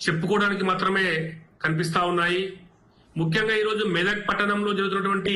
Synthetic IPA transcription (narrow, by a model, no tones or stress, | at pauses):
t͡ʃe̞pːukɔːɽaːnik̬imaːt̪ɾɐme̞ːkɐnip̬ist̪aːwunːaːji | mukʰjɐŋɡaːiːɾo̞ːd͡ʒumɛːd̪ɐk̚pɐʈːɐnɐmlo̞ːd͡ʒɐɾɡut̪unːɐʈuʋɐɳʈi